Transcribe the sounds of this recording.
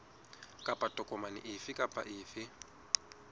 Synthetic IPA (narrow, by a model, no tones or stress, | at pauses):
kʼapʼatʼɔkʼɔmanɪ̰ʔɪfɪkʼapʼa̰ʔɪːfɪ